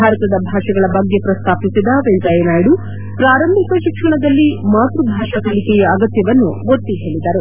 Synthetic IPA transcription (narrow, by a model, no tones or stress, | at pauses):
bʱaːɾɐt̪ɐd̪ɐbʱaːʂɐɡɐɭɐbɐɡːe̞pɾɐst̪ʰaːpisid̪ɐʋeɲd͡ʒɐjɐnaːjiɽu | pɾaːɾɐmbʱikɐʃikʂɐɳɐd̪ɐlːimaːt̪ɾubʱaːʂɐkɐlikɛjɐːɡɐt̪jɐʋɐnːuɡot̪ːiɦe̞ːɭid̪ɐɾu